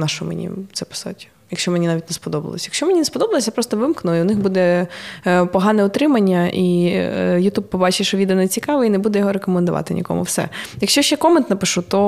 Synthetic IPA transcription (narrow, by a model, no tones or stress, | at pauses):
nɑʃɔmḛnʲḭt̪sɛpɔ̥sɔ̰tʲi̥ | jɐkʃʲt͡ʃɔmenʲinɑʋʲitʲnɛspɔd̪ɔbɐ̰lˠɔ̰sʲjɐkʃt͡ʃɔmenʲinespɔd̪ɔbɐlˠɔsʲjapɾɔst̪ɔʋɪmknʊiʊnɪxbud̪ɛ | pɔɦɑnɛʊt̪ɾɪmɐnʲːɐʔi | jʊt̪ub̚pɔbɑt͡ʃɪʃɔʋʲid̪ɛnɛt͡sʲikɑʋɛinebud̪ɛjɔɦɔɾekɔmend̪ʊʋʔɑ̰t̪ɪnʲʔḭkɔ̰mʊ̰wsɛ̰jɐkʃt͡ʃɔʃɛkɔment̪nɐpɪʃut̪ɔ